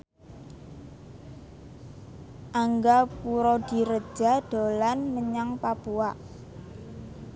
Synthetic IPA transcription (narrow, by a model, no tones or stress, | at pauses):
ʔaŋɡapuɾɔd̪̥i̤ɾəd̥ʒ̥a̤d̪̥o̤lanməɲaŋpapuaʔ